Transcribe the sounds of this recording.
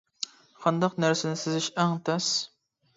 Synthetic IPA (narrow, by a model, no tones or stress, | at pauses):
qʰɑnd̪ɑqnæɾsɪnɪsɪzɪʃæŋt̪ʰɛs